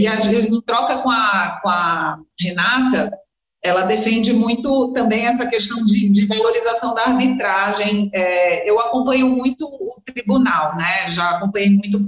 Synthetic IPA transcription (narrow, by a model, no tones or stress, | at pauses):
iaʒẽt̪ɾɔkɐkõɐkõɐhenat̪ɐ | ɛlɐd̪efẽnd͡ʒɪmũj̃t̪ʊt̪ɐ̃mbẽj̃ɛsɐkeʃt̪ɐ̃w̃d͡ʒɪd͡ʒɪvaloɾizasɐ̃w̃d̪ɐːɾbit̪ɾaʒẽj̃ɛewakõpɐ̃ɲomũj̃t̪ʊːt̪ɾibunawnɛʒaːkõpɐ̃ɲejmũj̃t̪̬ʊ